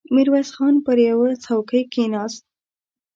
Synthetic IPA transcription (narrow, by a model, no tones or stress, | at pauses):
miɾwasxɑnpəɾjawət͡sawkəjkenɑst̪̚